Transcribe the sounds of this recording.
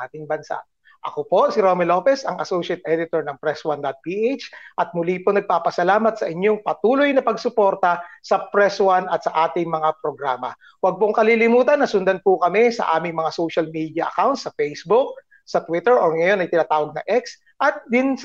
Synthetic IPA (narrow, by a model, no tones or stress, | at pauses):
ʔaːt̪ɪŋbɐnsa̰ʔ | ʔɐkopo̞sɪɾomɛlo̞ːpɛsɐŋʔɐsowʃɐt̪̚ʔɛd̪ɪt̪oɹnɐŋpɾɛswand̪ɐt̪̚piʔet͡ʃʔɐt̪̚mʊliponɐɡ̚paːpɐsɐlaːmɐt̪̚sɐʔɪɲoŋpɐt̪uːlojnɐpɐɡsʊpo̞ɾt̪ɐsɐpɾɛswanʔɐt̪̚sɐʔaːt̪ɪŋmɐŋapɾoɡɾaːmɐ | wɐɡ̚poŋkɐlilɪmuːt̪ɐnːɐsʊnd̪ɐnpʊkɐmɛsɐ̰ʔaːmɪŋmɐŋasowʃɐlmiːd̪jɐʔɐ̰kawnt̪sɐfɛjsbʊk̚ | sɐt̪wɪt̪ɛɹʔoɹŋɐjo̞nʔɐjt̪ɪnaːt̪aːwɐɡ̚nɐ̰ʔɛks | ʔɐt̪̚d̪ɪns